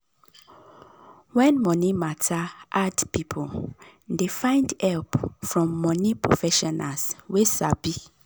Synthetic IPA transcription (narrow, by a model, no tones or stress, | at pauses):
wɛ̃nmɔ̃nĩmatʰaʔadpipʰoldefãɪ̃ndɛlpfɹɔ̃mːɔ̃nĩpʰɹo̰fɛʃɔna̰swesabi